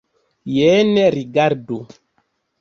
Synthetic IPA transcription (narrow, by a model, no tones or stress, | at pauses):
jɛːnɛɾiɡaɾdo